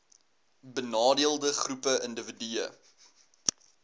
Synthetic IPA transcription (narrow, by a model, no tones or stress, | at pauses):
bənɑːdiəlˠdəχrupəʔəndəvidiə̰